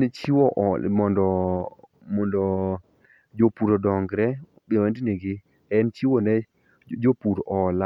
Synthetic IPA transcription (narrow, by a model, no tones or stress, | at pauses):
net͡ʃiwɔʔmɔndɔ | mɔndɔ | d͡ʒopuɾodɔŋɡɾɛ | biwɛndineɡɪ | ɛnt͡ʃiwɔnɛ | d͡ʒopuɾʔɔla